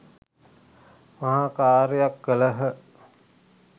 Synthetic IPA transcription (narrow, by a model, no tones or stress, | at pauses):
mɐɦaːkaːɾəjakːələɦə